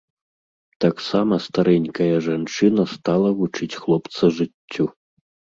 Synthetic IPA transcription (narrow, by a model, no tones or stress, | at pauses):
t̪aksamɐst̪aɾɛnʲkɐjɐʐant͡ʂɨnɐst̪alˠɐvut͡ʂɨt͡sʲxlˠɔpt̪sɐʐɨt͡sʲːu